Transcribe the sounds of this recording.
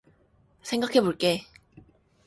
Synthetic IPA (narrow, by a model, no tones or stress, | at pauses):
sʰe̞ŋɡakʰe̞boɭk͈e